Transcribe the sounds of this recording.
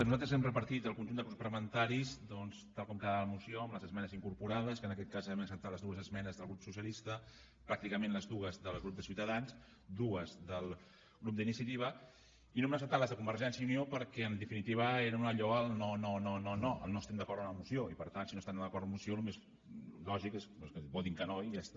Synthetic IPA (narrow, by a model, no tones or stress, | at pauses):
nuzalt̪ɾəzɛmrəpəɾt̪it̪əlˠkunʲʒund̪əkuspɾəmənt̪aɾizd̪ɔnst̪alˠkɔmkaðələmusioəmləzəzmɛnəziŋkuɾpuɾaðəskənəkɛt̪̚kazɛmnəsəp̚t̪aləzðuəzəzmɛnəzðəlˠɣɾupsus̬jəlist̪ə | pɾak̚t̪ikəmẽnləzðuɣəzðəlˠɣɾup̚d̪əsiuwt̪əðans | d̪uəzðəlˠ | ɣɾup̚d̪əinisjət̪iβ̞ə | inomnəsəp̚t̪aləzðəkumbəɾʒɛnsjəuniopəɾkɛənd̪əfinit̪iβ̞əeɾunəʎɔəlˠnononononoə̰lnoəst̪ɛmd̪əkɔɾðməmusioipəɾt̪ansinoəst̪ɛnd̪əkɔɾmusiolumez | lɔʒikesoskəbɔðiŋkənojast̪